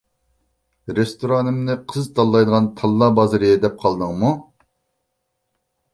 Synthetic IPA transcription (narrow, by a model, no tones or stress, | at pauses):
ɾest̪oɾɑnɨmnɨqʰəzt̪ɑlˠːɑjd̪əʁɑnt̪ʰɑlˠːɑbɑzɨɾɨjɛd̪ɛp̚qʰɑlˠd̪əŋmu